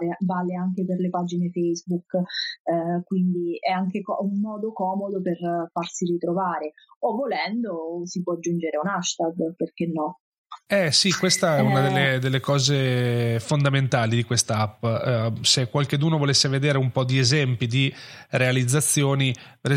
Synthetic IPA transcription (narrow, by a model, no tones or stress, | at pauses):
ɾevalːeaŋk̟eperlepad͡ʒinefɛjzbuk | kwind̪iɛaŋkekɔumːɔːd̪okɔːmod̪operfarsirit̪ɾovaːɾe | ovːolɛnd̪osipwɔad͡ʒːund͡ʒeɾeunaʃt̪ad̪perk̟enːɔ | ɛsikwest̪aɛunad̪elːed̪elːekɔːzefond̪ament̪aːlid̪ikwest̪aapːsekːwalked̪uːnovolesːeved̪eːɾeumpɔd̪iezɛmpid̪irealid̪zːat̪sːjoːnipeɾ